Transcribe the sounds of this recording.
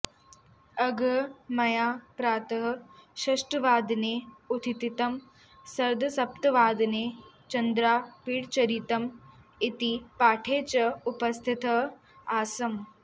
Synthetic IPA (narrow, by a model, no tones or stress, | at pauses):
ɐɡʱɐmɐjaːpɾaːt̪ɐɦɐ̆ʃɐʂʈɐʋaːd̪neːut̪ʰit̪it̪ɐm | sɐɾd̪ʱɐsɐpt̪ɐʋaːd̪neːt͡ʃɐnd̪ɾaːpiːɽt͡ʃɐɾit̪ɐm | it̪ipaːʈʰeːt͡ʃɐupɐst̪ʰit̪ɐ | aːsɐm